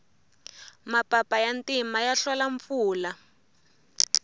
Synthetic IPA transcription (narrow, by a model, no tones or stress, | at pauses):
mapapajantimajaɬwalaɱfuːla